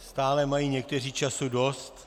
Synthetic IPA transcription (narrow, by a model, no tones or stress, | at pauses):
st̪aːlɛmajiːɲɛk̚t̪ɛr̝iːt͡ʃasudost̪